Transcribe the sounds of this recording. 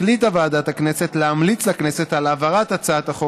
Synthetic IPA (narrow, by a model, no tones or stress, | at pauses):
lit̪aveadat̪hakneset̪leamlit͡slaknese̞t̪alavaʁat̪at͡saat̪aχo